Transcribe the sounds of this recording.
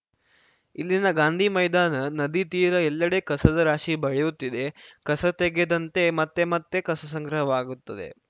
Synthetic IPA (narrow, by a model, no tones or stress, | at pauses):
ilːinɐɡaːnd̪ʱimɐjd̪aːnɐnɐd̪it̪iːɾɐɛlːɐɽe̞kɐsɐd̪ɐɾaːʃibɐɭejut̪ːid̪e̞kɐsɐt̪eɡed̪ɐnt̪e̞mɐt̪ːe̞mɐt̪ːe̞kɐsɐs̬ɐŋɡɾɐɦɐʋaːɡut̪ːɐd̪e̞̰